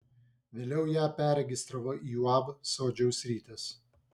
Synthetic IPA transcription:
ʋʲeːlʲɛʊjæːpʲæːɾʲɛɡʲɪst̪ɾɐʋoːiːjuɑːbsoːd͡ʒʲɛʊsʲɾʲiːt̪ʲɛs

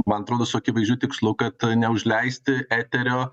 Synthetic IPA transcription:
mɐnɐt̪ɾoːd̪oːsʊɐkʲɪːʋɐɪzʲʒʲd͡ʒʲuːt̪ʲɪkslˠuːkɐt̪nʲɛʊʒʲlʲɛɪsʲt̪ʲɪæːt̪ʲɛɾʲoː

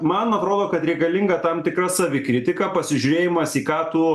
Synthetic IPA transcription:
mɐnɐt̪ɾoːd̪oːkɐt̪ɾʲɛɪkɐlʲɪŋɡɐt̪ɐmt̪ʲɪkrɐsɐʋʲɪkɾʲɪt̪ʲɪkɐpɐsʲɪʒʲʊɾʲeːjɪmɐsiːkɑːt̪ʊ

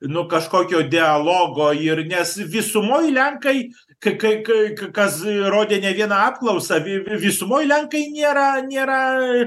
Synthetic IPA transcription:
nʊkɐʃkoːkʲoːd̪ʲɪɐlˠoːɡoːɪrnʲɛsʋʲɪsʊmoːjlʲɛŋkɐɪ | kɐɪkɐɪkɐkɐkɐsroːd̪ʲeːnʲɛʋʲiɛnɑɑːpklˠɐʊsɐʋʲɪʋʲɪsʊmoːjlʲɛŋkɐɪnʲeːɾɐnʲeːɾɐ

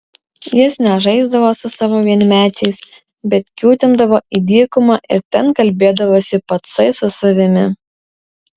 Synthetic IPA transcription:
jɪsnʲɛʒɐɪzd̪ɐʋoːsʊsɑːʋoːʋʲiɛnʲmʲæːt͡ʃʲɛɪs | bʲɛt̪kʲuːt̪ʲɪnd̪ɐʋoːʔid̪ʲiːkʊmɑːʔɪ̰ɾt̪ʲɛnkɐlʲbʲeːd̪ɐʋoːsʲɪpɐt̪sɐɪsʊsɐʋʲɪmʲɪ

